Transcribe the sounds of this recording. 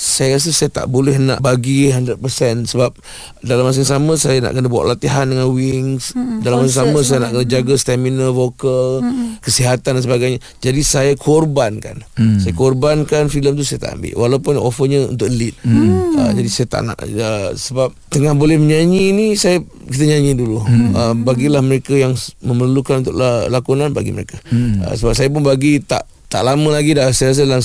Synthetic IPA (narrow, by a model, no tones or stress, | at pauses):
sajəɾas̬əsajat̪a̰ʔbolɛhna̰ʔbaɡiɦandɾəd̚pəsɛnsəbap̚ | dalamas̬əŋsamə̃sajana̰ʔkənəbuwa̰ʔlat̪iɦandəŋanwiŋsdalamasəŋsamə̃s̬ajənaʔkənəd͡ʒaɡəst̪ɛminəvokəlkəsiɦat̪andansəbaɡajɲə | d͡ʒadisajakʰɔrbanka̰nsajəkɔrbankanfiləmt̪̬usajat̪a̰ʔa̰mbɪ̰ʔwʔalaupʊnofəɲəṵnt̪ʊk̚lit̪̚ə̰d͡ʒadisajət̪a̰ʔna̰ʔəsəbap̚t̪əŋahbolɛhməɲaɲinisajə | kit̪̬əɲaɲiduluəbaɡilahməɾekajaŋməmərlukanunt̪ʊkllakunanba̰ɡḭməɾḛkaə̰səbap̚sajəp̬ʊnbaɡit̪a̰ʔ | t̪a̰ʔlamə̃laɡidasəas̬ədalam